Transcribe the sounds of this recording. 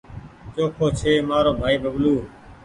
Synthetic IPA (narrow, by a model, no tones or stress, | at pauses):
t͡ʃoːkʰoːt͡ʃʰeːmaːɾoːbʱaːiːbʱəɡluː